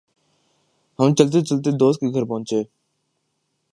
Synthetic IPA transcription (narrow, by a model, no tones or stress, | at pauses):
həmt͡ʃəlt̪̬eːt͡ʃəlt̪eːd̪oːst̪̚keːɡʱəɾpəɦʊ̃ɲt͡ʃeː